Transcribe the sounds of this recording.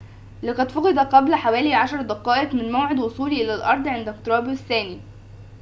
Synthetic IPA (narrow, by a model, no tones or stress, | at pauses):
leqɑd̪foqɑd̪ˤɑqæblħawæːliʕaʃɑɾˤd̪æqɑːʔeqmɪnmowʕed̪wosˤuːliːʔɪlælʔɑɾˤd̪ˤʕend̪æk̚t̪ɾˤɑːbθːæːni